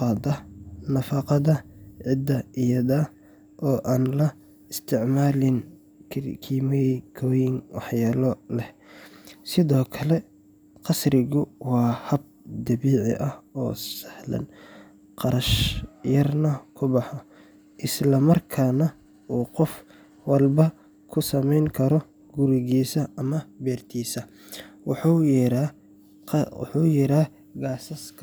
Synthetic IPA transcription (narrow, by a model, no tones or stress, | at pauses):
ɑːd̪ɐnɐfɑːqɑðɐʕɪd̪ːɐɪjɐðɐ | ʔɔːʔaːnlɐ | ɪst̪ʰɪʕmaːlɪn | kʰiːmɛkʰɔːjɪŋwɑ̰ħjaːlɔlɛh | sɪðɔːkʰɐlɛ | qɑsrɪɣʊwɑːhɐb̚d̪ɐβiːʕɪ̰ʔɐhɔ̰ːsɐ̥hlɐ̰n | qɑɾɐʃjɐrnɐkʰʊbɑħɔ | ʔɪslɐmɐrkʰaːnɐ | ʔuːqɔf | wɑlbɐ | kʰʊsɐmɛjŋkʰɐɾɔ | ɡ̥ʊɾɪɣiːsɐɐmɐbɛːrt̪ʰiːsɐ | wɑħuɾa | ħuːjɛɾaː | ɡaːsɐskʰ